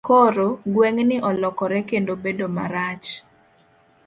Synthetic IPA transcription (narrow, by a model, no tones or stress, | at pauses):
koɾoɡweŋnɪʔɔlɔkɔɾɛkendobedoma̰ɾat͡ʃ